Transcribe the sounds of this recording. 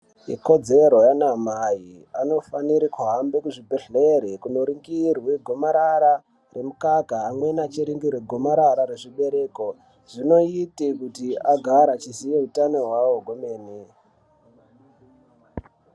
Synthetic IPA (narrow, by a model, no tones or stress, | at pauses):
ḭko̞d͡ze̞ɾo̞janamaji | ano̞faniɾikuɦambekuʐibʱeɮeɾekuno̞ɾiŋɡirweɡʱo̞maɾaɾa | remukakaːmwe̞nat͡ʃiɾiŋɡirweɡʱo̞maɾaɾaɾeʐiɓe̞ɾe̞ːko̞ | ʐino̞itekutiaɡʱaɾat͡ʃisijeɦutano̞ɦwawoɡʱomeːne